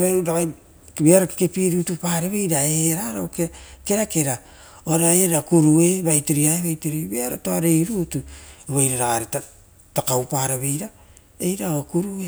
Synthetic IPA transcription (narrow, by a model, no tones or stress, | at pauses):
aɾaβa | biaɾotokepiɾutupaːɾeβejɾaeɾaɾokeke̞ɾakeɾa | oɾajeɾakuɾue̞βajtiɾiaeβajtiɾibiaɾo̰toaɾejɾutueβajɾaɾaaɾeta | takawpaːɾeβe̞jɾa | ejɾaokuɾue